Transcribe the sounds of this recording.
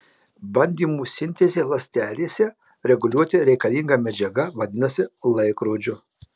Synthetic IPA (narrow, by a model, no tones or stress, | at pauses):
bɐnʲd̪ʲiːmuːsʲɪnʲt̪ʲɛzʲeːlˠɐsʲt̪ʲæːlʲeːsʲɛ | ɾʲɛɡʊlʲuɔt̪ʲɪɾʲɛɪkɐlʲiːŋɡɐmʲɛd͡ʒʲɛɡɐʋɐd̪ʲɪnɐsʲɪlˠɐɪkɾoːd͡ʒʲʊ